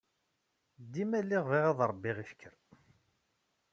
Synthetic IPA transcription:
d̪imælːiʁviʁɑðˤɾˤəbːiʁifkʰːəɾ

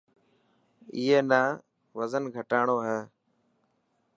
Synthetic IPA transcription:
iːeːnaː | ʋəzənɡʱəʈaːɳoːɦɛː

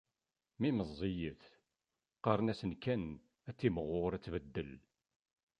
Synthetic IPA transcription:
miməzˤːijəθ | qəɾˤənæsənkæn | æt͡sːiməʁːʊɾæt͡sːvəd̪ːəl

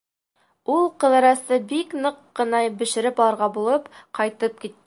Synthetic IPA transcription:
ulˠqɤ̆ðɑ̆ɾɑsɤbiknɤqːɤ̆nɑbɘ̆ʃɘ̆ɾɘpɒlˠɑɾʁɑbulˠɤpqɑjt̪ɤp̚kit̪ː

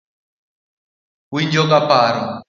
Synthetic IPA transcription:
wiɲd͡ʒɔɡapaɾɔ

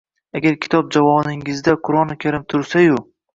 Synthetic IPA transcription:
aɡʲaɾkʲʰɪ̥t̪ʰɒp̚d͡ʒavɒnɪŋɪzd̪aqʰʊɾɒnɪkʲʰaɾɪmt̪ʰʊɾsajʊ

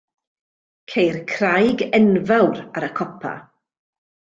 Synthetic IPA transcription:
kʰejrkʰrajɡɛnvawɾaɾəkʰɔpʰa̰

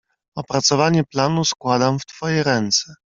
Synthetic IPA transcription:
ɔpɾat̪sɔvaɲɛplanuskwad̪amft̪fɔjɛɾɛnt̪sɛ

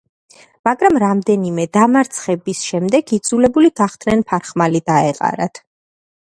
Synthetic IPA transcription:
maɡɾamɾamd̪ɛnimɛd̪amaɾt̪sʰχɛbisʃɛmd̪ɛɡid̪zulɛbuliɡ̥aχt̪ʰnɛnpʰaɾχmalid̪aɛqʼa̰ɾa̰t̪ʰ

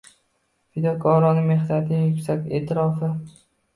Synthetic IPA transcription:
fɪd̪ɒkʰɒɾɒnɪme̞hnat̪ʰɪjʊkʲsakʲe̞̰ːt̪ʰɪɾɒfɪ

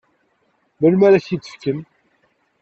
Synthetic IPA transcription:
məlmæɾæçit͡s̪ːə̥fkəm

